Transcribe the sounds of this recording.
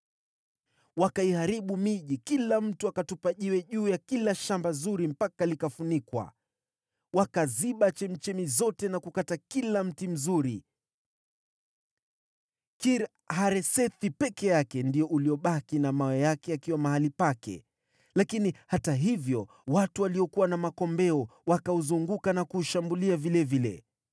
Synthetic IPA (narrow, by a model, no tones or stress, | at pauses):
wakaihaɾiɓumiʄikilam̩tuakatupaʄiwɛʄuːjakilaʃambazuɾim̩pakalikafunikwa̰ | wakaziɓat͡ʃɛmit͡ʃɛmizɔtɛnakukatakilam̩tim̩zuɾi | kiɾ | haɾɛsɛθipɛkɛjakɛndiɔʔuliɔɓakinamawɛjakɛakiwamahalipakɛ̰ | lakinihataɦivjɔ | watuwaliɔkuwanamakɔmbɛɔwakauzuŋɡukanakuʃambuliavilɛvilɛ̰